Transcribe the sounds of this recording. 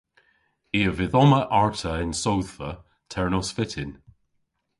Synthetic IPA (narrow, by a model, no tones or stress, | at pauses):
iːəvɪðɔməʔaɹtʰəɪnsowðə | tʰɛɹnɔsfɪtʰɪn